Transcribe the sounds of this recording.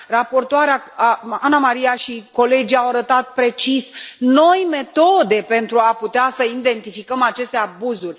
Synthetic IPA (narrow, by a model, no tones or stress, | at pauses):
rapo̞rt̪oaɾeaaanamaɾiaʃiko̞le̞d͡ʒiawaɾət̪at̪̚pɾe̞t͡ʃisno̞jme̞t̪o̞d̪e̞pe̞nt̪ɾuaput̪easəind̪e̞nt̪ifikəmat͡ʃe̞st̪eabuzulʲ